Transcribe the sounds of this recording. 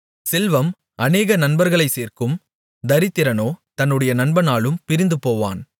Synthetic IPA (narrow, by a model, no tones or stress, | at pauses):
sɪlʋɐm | ʔɐneːɣɐnɐnbɐɾɣɐɭɐɪseːrkɯm | d̪ɐɾɪt̪ːɪɾɐnoːt̪ɐnːɯɽɐjɐnɐnbɐnaːɭɯmpɪɾɪnd̪ɯpoːʋa̰ːn